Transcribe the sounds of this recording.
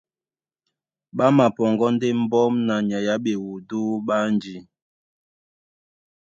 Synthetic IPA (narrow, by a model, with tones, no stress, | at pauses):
ɓa˦ma˨pɔ˨ŋɡɔ˦n˦de˦m̩˦bɔ˦mna˨ɲa˨ja˦ɓe˨wu˨du˦ɓa˦nd͡ʒi˨